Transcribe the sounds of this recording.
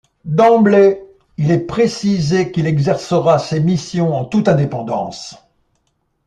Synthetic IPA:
d̪ɑ̃blɛ | ilɛpχesizekilɛɡzɛʁsəʁasemisjɔ̃ɑ̃t̪ut̪ɛ̃d̪epɑ̃d̪ɑ̰̃s

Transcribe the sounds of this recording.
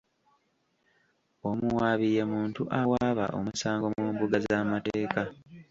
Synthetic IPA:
o̞muwaːβije̞muːntuʔawaːβa̰ʔo̞̰musaːŋɡo̞mwueːmbuɡazaːmateːka

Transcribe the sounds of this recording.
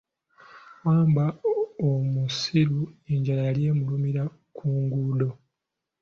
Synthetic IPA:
waːmbaomusiɾueɲɟalajalje̞ːmulumiɾa | kʰuːŋɡuːdo̞

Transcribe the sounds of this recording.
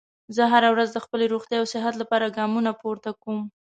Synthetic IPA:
zəɦaɾawɾazd̪əxpəleɾoxt̪jɑjawsɪɦat̪lapɑɾaɡɑmunapoɾt̪akom

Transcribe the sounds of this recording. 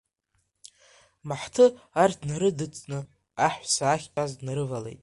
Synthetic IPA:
maħtʰɨartʰnaɾɨdɨt͡sʼnɨ | aħʷsaːχʲpʼazdnaɾɨvale̞̰jtʼ

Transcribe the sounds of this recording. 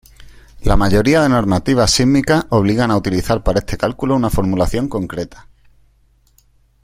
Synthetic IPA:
lamaʝo̞ɾiaðe̞no̞ɾmat̪iβ̞asimikaʔo̞β̞liɣanaut̪iliθaɾpaɾae̞st̪ʰe̞kalkulounafo̞ɾmulaθjo̞ŋko̞ŋkɾe̞t̪ḁ

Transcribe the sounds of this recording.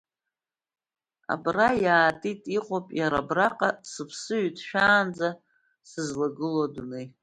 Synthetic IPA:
a̰brajaːtʼitʼiqʼopʼjaɾabraqʼasɨpʰsɨɥtʰʼʃᶣaːnd͡za | sɨzlaɡɨlodune

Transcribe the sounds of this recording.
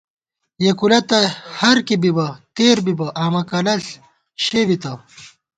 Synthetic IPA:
jekulɐt̪ɐhɐɾkibibɐt̪eːɾbibɐʔaːmɐkɐlɐɬ | ɕebit̪ɐ

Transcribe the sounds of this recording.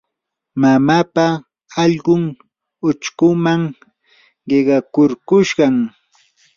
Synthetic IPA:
mamapa | ɑʎɢʊŋ | ʊt͡ʃkʊmaŋ | ɢeɢɑkʊɾkʊʃɢɑŋ

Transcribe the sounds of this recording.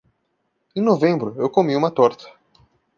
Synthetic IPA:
ẽnovẽmbɾʊewkomiũmɐt̪ɔɾt̪ɐ̥

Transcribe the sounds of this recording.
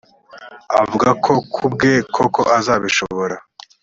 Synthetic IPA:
a̰vuɡakʰo̞kʰubɡe̞kʰoko̞ʔazaːβiʃo̞βoɾa

